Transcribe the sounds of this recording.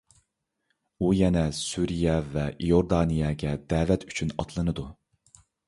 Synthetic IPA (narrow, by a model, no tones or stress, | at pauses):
ujɛnɛsyɾijɛvɛʔijoɾd̪ɑːnijɑːɡʲɛd̪ɛːvɛt̪ʰyt͡ʃʰynɑt̪ʰlˠɨnɨd̪u